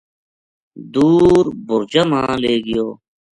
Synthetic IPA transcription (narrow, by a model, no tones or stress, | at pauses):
d̪uːɾbʊɾd͡ʑəmãːleːɡɪjoː